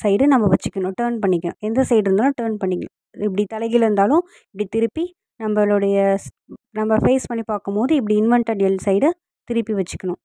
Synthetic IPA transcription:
sɐɪɽɯnɐmːɐʋɐt͡ʃːɯkːɐɳʊ̃ʈɯːɾnpɐɳːɪkːʊ̰̃ɛnd̪ɐsɐɪɽɪɾɯnd̪aːãʈɐɾnpɐɳːɪkːɐɳʊ̰̃ | ɪp̬ːɐɽit̪ɐlɐɪɣɪlɾɯnd̪aːlʊ̃ | ɪpːɐɽit̪ɪɾɯpːi | nɐmbɐloːɽɐjɐ | nɐmːbɐfeɪspɐɳːipaːɾkɯmpoːðɯɪp̬ːɐɽiɪnʋɐɳʈɐɽɪjɐlsɐɪɽɯ | t̪ɪɾɯpːiʋɛt͡ʃːɯ̥kːɐɳʊ̃

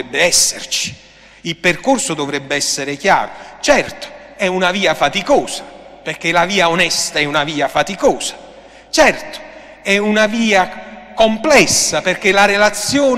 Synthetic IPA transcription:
ɛbːɪɛsːḛrt͡ʃi̥ | ilperkorsʊd̪ovɾɛbːɪɛsːɪɾɪkja̰ːɾʊt͡ʃɛrt̪ʊ̥ɛunaviːafat̪ikɔːsḁperkelaviːaonɛst̪aɛunaviːafat̪ikɔːsḁ | t͡ʃɛrt̪ʊ̥ | ɛunaviːakomplɛsːaperk̟elaɾelat̪sːjɔː

